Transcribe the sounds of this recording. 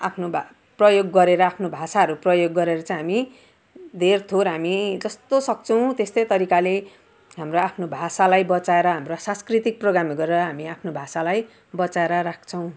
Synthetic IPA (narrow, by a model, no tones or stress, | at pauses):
apʰnob | prʌjoɡːʌɾeɾʌapʰnobʱasaɦʌɾuprʌjoɡːʌɾeɾʌt͡sãj̃ɦami | d̪ʱert̪ʰoɾɦamid͡zʌst̪osʌk̚t͡sʰʌw̃t̪est̪ʌjt̪ʌɾikale | ɦamroapʰnobʱasalajbʌt͡saeɾʌɦamrosãnskrit̪ik̚proɡɾamɡʌɾeɾʌɦamiapʰnobʱasalaj | bʌt͡saeɾʌɾakʰt͡sʰʌw̃